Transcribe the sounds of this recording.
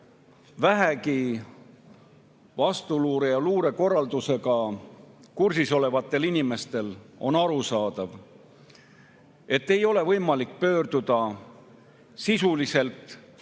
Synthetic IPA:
væɦæki | vɑst̪uluːɾejɑluːɾe̞ko̞rːɑld̪use̞ɡɑ | kursiso̞le̞vɑt̪ːˑe̞linime̞st̪e̞lo̞̰nɑɾusɑːd̪̥ɑv | e̞t̪ːe̞jo̞le̞vɤjmɑlikːpø̞ːrd̪̥ud̪̥ɑ | sisulise̞lt̪ˑ

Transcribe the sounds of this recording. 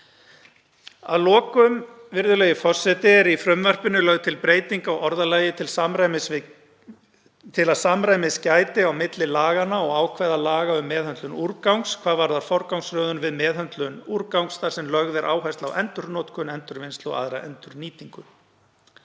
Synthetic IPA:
a̰ðlɔːkʏmvɪɾðʏlɛjɪfɔr̥sːɛt̪ɪɛɾifɾʏmvœr̥pʏnʏlœɣt̪ʰɪlpɾeːjt̪iŋkawɔɾðalaːjɪt̪ʰɪlsamɾajmɪs | t̪ʰɪlaðsamɾaːjmɪscaːjt̪ɪawmɪt̪lɪlaːɣanːaɔɣaːwkʰvɛːðalaːɣaʏmːɛːðhœnt̪lʏnuɾkawŋkskʰv̥aːðvaɾðaɾ̥fɔɾkawŋsɾœːðʏnvɪðmɛːðɦœnt̪lʏnuɾkawŋksθaɾ̥sɛmlœɣðɛɾʔa̰ːwɦajst̪lawʔɛnt̪ʏɾnɔːt̪kʰœnɛnt̪ʏɾvɪnst̪lɔ̰ɣa̰ðɾaʔɛ̰nt̪ʏɾniːt̪iŋkʏ

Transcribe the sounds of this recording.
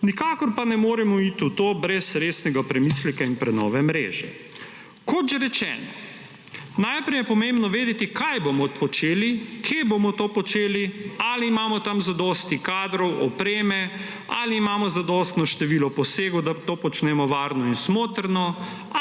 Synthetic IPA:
nikaːkɔɾpanɛmoːɾɛmɔiːt̪ut̪oːbɾɛsɾeːsnɛɡapɾɛmiːslɛkainpɾɛnɔ̰ːʋɛmɾḛːʒɛ | kɔt̪ʒɛɾɛt͡ʃɛ̰ːnɔ | najpɾɛjɛpɔmẽmbnɔʋeːd̪ɛt̪ikʰajbomɔpɔt͡ʃeːlikʰeːbomɔt̪oːpɔt͡ʃeːlialiːmaːmɔt̪amzad̪ɔst̪ikaːd̪ɾɔwɔ̰pɾeːmɛ | a̰liːmaːmɔzad̪ɔːst̪nɔʃt̪ɛʋiːlɔpɔseːɡɔd̪at̪oːpɔt͡ʃnɛmɔʋaːɾnɔinsmoːt̪ɾnɔ

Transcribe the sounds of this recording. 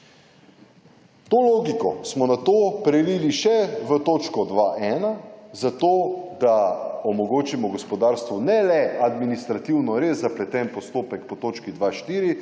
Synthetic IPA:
t̪oːloːɡikɔsmɔnat̪oːpɾɛliːliʃɛʋət̪oːt͡ʃkɔd̪ʋaʔɛːnazat̪oːd̪aɔmɔɡoːt͡ʃimɔɡɔspɔd̪aɾst̪ʋɔnɛlɛad̪minist̪ɾat̪iwnɔɾezːaplɛt̪ɛnpɔst̪oːpɛkpɔt̪oːt͡ʃkid̪ʋaʃt̪iːɾi

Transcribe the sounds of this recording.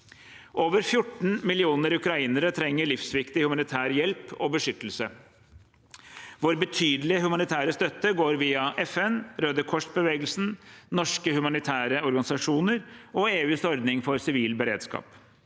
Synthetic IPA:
ʔoːʋəɾfjʊʈːɳ̩mɪlɪuːnəɾʉkɾɑiːnəɾət̪ʰɾɛŋːəɭɪfsʋɪkt̪ɪhʉmɑnɪt̪ʰæːɾjɛlpʰɔbəʂʏt̪ːəl̩sə | ʋoːɾbət̪ʰyːd̪lɪəhʉmɑnɪt̪ʰæːɾəst̪œt̪ːəɡoːɾʋiːɑʔɛfɛnɾøːd̪əkʰɔʂbəʋeːɡəlsn̩nɔʂkəhʉmɑnɪt̪ʰæːɾəɔɾɡɑnɪsɑʂuːnəɾɔeːʋɪst̪ɔɾd̪nɪŋfɔɾsɪʋiːlbəɾḛːd̪skɑ̰ːp

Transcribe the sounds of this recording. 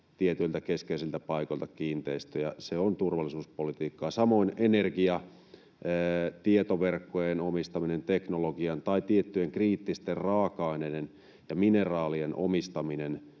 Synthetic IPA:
t̪iet̪ylt̪ækeskeisilt̪æpɑikolt̪ɑkiːnt̪eist̪yjɑ̰seont̪urʋɑlːˑisuːspolit̪iːkːɑːsɑmoinenerɡiɑː | t̪iet̪oʋerkːojenomist̪ɑminent̪eknoloɡiɑnt̪ɑit̪iet̪ːyeŋkriːt̪ːist̪errɑːkɑineden | jɑminerɑːlienʔo̰mist̪ɑminen

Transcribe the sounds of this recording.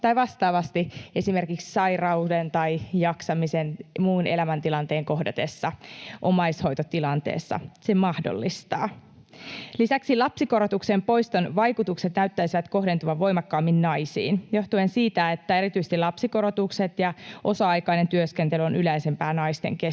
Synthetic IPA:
t̪ɑjʋɑst̪ɑːʋɑst̪ie̞sime̞rkikssɑjrɑudent̪ɑjjɑksɑmisenmuːnʔelæmænt̪ilɑnt̪e̞ːŋko̞hdot̪e̞sːɑʔomɑjsho̞jt̪ot̪ilɑnt̪ḛːsːɑ̰semɑhdo̰lːist̪ɑ̰ː | lisæksilɑpsiko̞ɾot̪uksempo̞jst̪onʋɑjkut̪ukset̪næyt̪ːæisiʋæt̪ko̞ɦde̞nt̪uɑʋʋo̞jmɑkːɑːmːinnɑjsḭːnjo̞ht̪uensiːt̪æet̪ːæeɾit̪yse̥t̪ilɑpsiko̞ɾot̪ukset̪jɑʔo̞sɑɑjkɑinent̪yøskent̪elyonʔylæisempæːnɑist̪ḛŋke

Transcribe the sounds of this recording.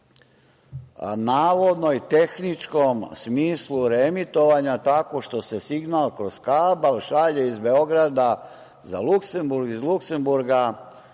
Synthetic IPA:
a̰naːʋo̞d̪no̞it̪e̞xnit͡ʃko̞msmiːsluɾemit̪o̞ʋaɲat̪ako̞ʃt̪o̞se̞siɡnaːlkɾoz̥kabalʃaʎeizbe̞o̞ɡɾad̪a | za̰lukse̞mbuɾɡizlukse̞mbuɾɡa

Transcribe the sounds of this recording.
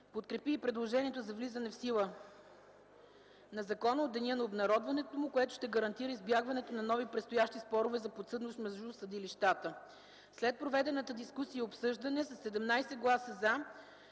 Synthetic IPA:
pot̪kɾɛpiːpɾɛd̪lˠoʒɛniɛt̪ʊzɐvlizənɛfsilˠə | nɐzɐkɔnəod̪ːɛnʲɛnɐobnɐɾɔd̪vɐnɛt̪omʊkoɛt̪ʊ̥ʃt̪ɛɡəɾɐnt̪iɾəizbjaɡvɐnɛt̪onɐnɔvipɾɛt̪st̪ojaʃt̪ispɔɾʊvɛzɐpot̪sɤd̪nosmɛzd̪usəd̪iliʃt̪at̪ə | slɛt̪̚pɾovɛd̪ɛnət̪əd̪iskusijəopsɤʒd̪ɐnɛsɐsːɛd̪ɛmnajsɛɡlˠasəza

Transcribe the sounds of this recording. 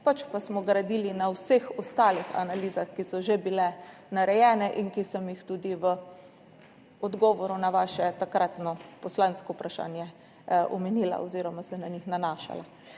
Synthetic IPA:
pat͡ʃpasmɔɡɾad̪iːlinawsexɔst̪aːlixa̰naliːzaxkisɔʒebilɛnaɾɛjɛːnɛʔiŋkisɔmjixt̪ud̪iʋə | ɔd̪ɡɔːʋɔɾunaʋaːʃɛt̪akɾʔat̪nɔpɔslanskɔupɾaʃa̰ːnjɛ | ʔɔmɛniːla̰oziːɾɔmasɛnaɲixnanaːʃa̰la

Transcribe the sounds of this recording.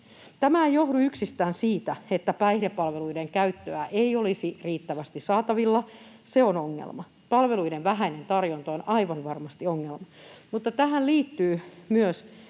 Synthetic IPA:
t̪æmæejohduyksist̪æːnsiːt̪æet̪ːæpæihɾepːɑlʋeluideŋkæyt̪ːøæʔeiolisiriːt̪ːæʋæst̪issɑːt̪ɑʋilːɑseonoŋːḛlmɑ | pɑlʋe̞luideʋʋæɦæine̞nt̪ɑrjont̪oːnɑiʋɑnʋɑrmɑst̪ioŋːelmɑmut̪ːɑt̪æɦænliːt̪ːyːmyøs

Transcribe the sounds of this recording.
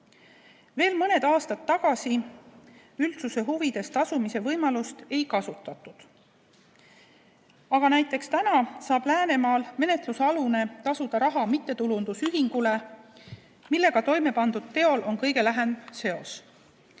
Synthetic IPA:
ve̞ːlmɤne̞d̪ɑːst̪ɑt̪ːɑɡ̥ɑsi | ylt̪suse̞ɦuvid̪̥e̞st̪ɑsumise̞vɤjmɑlust̪e̞jkɑsut̪ːˑɑt̪ːˑud̪̥ | ɑɡ̥ɑnæjt̪ˑːe̞kst̪ænɑsɑːb̥læːne̞mɑːlme̞ne̞t̪lusɑlune̞t̪ɑsud̪̥ɑɾɑɦɑmit̪ːe̞t̪ulund̪̥usyɦiŋɡ̥ule | milːe̞ɡ̥ɑt̪o̞jme̞pɑnd̪̥ud̪̥̚t̪ːe̞o̞lʔo̞nkɤjɡe̞læɦe̞nse̞o̞s

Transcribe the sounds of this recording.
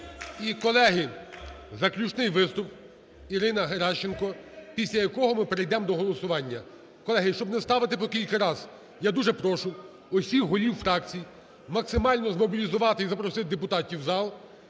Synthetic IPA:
ikɔlˠɛɦɪ | zɐklʲut͡ʃnɪjʋɪst̪ʊp̚ | iɾɪnɐɦeɾɑʃt͡ʃenkɔpʲisʲlʲɐjɐkɔɦɔmɪpɾɪjd̪ɛmd̪ɔɦɔlˠɔsʊʋɑnʲːɐ | kɔlˠɛɦɪʃt͡ʃɔbnɛst̪ɑʋɪt̪ɪpɔkʲilʲkɐɾɑz̥ | jad̪uʒɛpɾɔʃʊ | ɔsʲixɦɔlʲiwfɾɑkt͡sʲij | mɐksɪmɑlʲnɔzmɔbʲilʲizʊʋɑt̪ɪizɐpɾɔsɪt̪ɪd̪epʊt̪ɑtʲiwzɑlˠ

